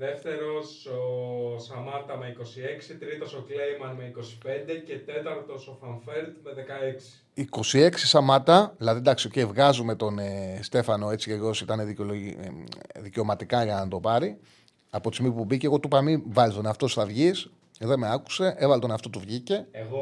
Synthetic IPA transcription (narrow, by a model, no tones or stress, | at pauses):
ðe̞ft̪e̞ɾo̞sosɐmɐt̪ɐmeiko̞sieksit̪ɾit̪osoklejmɐnmeiko̞si̥pend̪e̞ce̞t̪e̞t̪ɐɾt̪o̞sofɐɱfeld̪me̞ðekɐeksi̥i̥iko̞sie̞ksi̥sɐmɐt̪ɐlɐðid̪ɐksio̞ceivɣɐzume̞t̪o̞nest̪e̞fɐno̞e̞t͡siceʝo̞sit̪ɐneðolo | ðice̞omɐt̪ikɐʝɐnɐt̪o̞pɐɾi | ɐpo̞t̪izmipubiceɣo̞t̪upɐmivɐlit̪oneɐft̪osθɐvʝis | ðeme̞ɐku̥se̞ʔe̞vɐlt̪oneɐft̪o̞t̪uvʝice̞eɣo